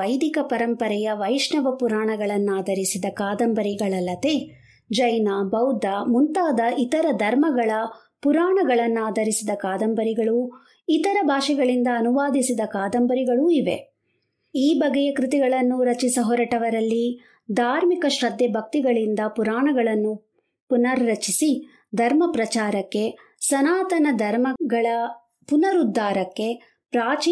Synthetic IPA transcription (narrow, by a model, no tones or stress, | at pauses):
ɐjd̪ikɐpɐɾɐmpɐɾɛjɐʋɐjʃnɐʋɐpuɾaːɳɐɡɐɭɐnːuaːd̪ʱɐɾisid̪ɐkaːd̪ɐmbɐɾiɡɐɭɐlːɐt̪e | d͡ʒɐjnaːbɐwd̪ʱamunt̪aːd̪ɐʔit̪ɐɾɐd̪ʱɐɾmɐɡɐɭɐ | puɾaːɳɐɡɐɭɐnːuaːd̪ɐɾisid̪ɐkaːd̪ɐmbɐɾiɡɐɭu | it̪ɐɾɐbʱaːʂɛɡɐɭind̪ɐːnuʋaːd̪isid̪ɐkaːd̪ɐmbɐɾiɡɐɭuiʋe̞̰ | iːbɐɡɛjɐkɾit̪iɡɐɭɐnːuɾɐt͡ʃisɐɦɔɾɐʈɐʋɐɾɐlːi | d̪ʱaːɾmikɐʃɾɐd̪ʱːɛbʱɐk̚t̪iɡɐɭind̪ɐpuɾaːɳɐɡɐɭɐnːu | punɐɾɾɐt͡ʃisi | d̪ʱɐɾmɐpɾɐt͡ʃaːɾɐkːe̞ | sɐnaːt̪ɐnɐd̪ʱɐɾmɐɡɐɭɐ | punɐɾud̪ʱːaːɾɐkːe̞ | pɾaːt͡ʃi